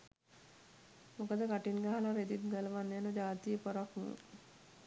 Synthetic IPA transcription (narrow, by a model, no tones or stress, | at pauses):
mokəd̪əkaʈinɡaɦalaɾed̪it̪̚ɡələʋanːjanəd͡ʒaːt̪ijəpoɾaknṵ